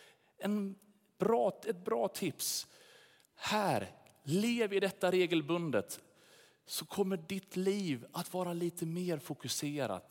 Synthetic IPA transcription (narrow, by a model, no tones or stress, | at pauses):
ɛn | b̥ɾɑːɛt̪̚bɾɑːt̪ʰɪps | hæːɾ | leːvɪd̪ɛt̪ːaɾeːɡəlbɵnd̪ət̪ | sɔkʰɔmːəɖɪt̪liːvat̪vɑːɾaliːt̪ʰəmeːɾfʊkɵseːɾa̰t̪